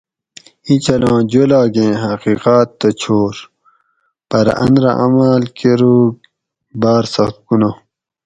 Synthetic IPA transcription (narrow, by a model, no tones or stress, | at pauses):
it͡ɕʰɐlãːd͡ʑolaːɡẽːɦɐqiqaːt̪ːɐt͡ɕʰoːɾ | pɐɾ̰ʔɐ̰̃nd̪ɾɐ̰ʔɐ̰maːlkeɾuːɡ | baːɾsɐxt̪̚kuna